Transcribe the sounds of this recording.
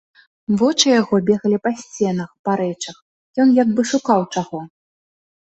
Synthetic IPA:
vɔt͡ʂɨjaɣɔbʲɛɣɐlʲipasʲt͡sʲɛnɐxpaɾɛt͡ʂɐx | jɔnjaɡbɨʂukawt͡ʂaɣɔ

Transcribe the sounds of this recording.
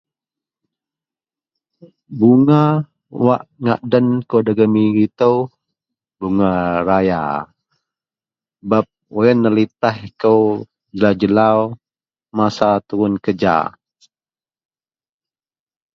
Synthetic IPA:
buŋa | waʔŋaʔdənkodəɡəmikit̪əw | buŋaɾaja̰ | bap̚wəjənːəlit̪ahkəw | d͡ʒəlad͡ʒəlaw | masat̪uɾʊnkəd͡ʒa̰

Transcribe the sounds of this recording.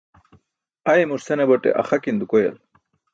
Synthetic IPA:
ɐemuɾseneboʈḛʔɐ̰xɐkind̪ukojɐ̰l

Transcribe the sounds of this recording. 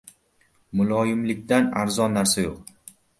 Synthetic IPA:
mʊlˠɒjɪmlɪkʲt̪anaɾzɒnːaɾsajoq̚

